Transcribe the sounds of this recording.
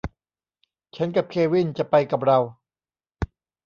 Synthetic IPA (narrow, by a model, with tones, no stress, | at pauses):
t͡ɕʰa˦˥nka˨˩p̚kʰeː˧wi˥˩nt͡ɕa˨˩pa˧jka˨˩p̚ɾa˧w